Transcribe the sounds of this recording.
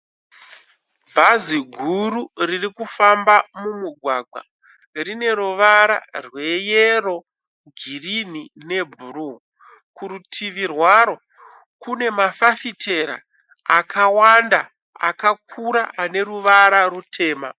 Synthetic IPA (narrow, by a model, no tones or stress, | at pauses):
bʱaziɡʱururirikufambamumuɡʱwaɡwa̰ | rine̞ɾuʋaɾa̰rwe̞jero̞ | ɡʱirin̤ine̞bʱuru | kuɾutʰiʋirwaɾo̞ | kune̞mafafitʰe̞ɾa̰ | akʰawanda | a̰kakʰuɾaʔane̞ɾuʋaɾarutʰe̞ːma